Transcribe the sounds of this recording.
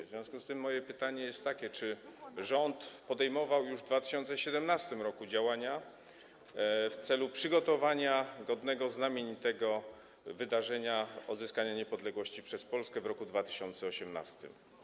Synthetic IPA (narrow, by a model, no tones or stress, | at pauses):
vzvʲjɔ̃skust̪ɘmːɔjɛpɘt̪aɲɛjɛst̪ːakʲɛt͡ʂɘʐɔnt̪pɔd̪ɛjmɔvawjuʐvd̪vat̪ɘɕɔnt̪sɛɕɛd̪ɛmnast̪ɘmɾɔkud͡ʑawaɲa | ft̪sɛlupʂɘɡɔt̪ɔvaɲaɡɔd̪nɛɡɔznamʲjeɲt̪ɛɡɔ | vɘd̪aʐɛɲaɔd̪zɘskaɲaɲɛpɔd̪lɛɡwɔɕt͡ɕipʂɛspɔlskɛvɾɔkud̪vat̪ɘ̥ɕɔnt̪sɛɔɕɛmna̰st̪ɘ̰m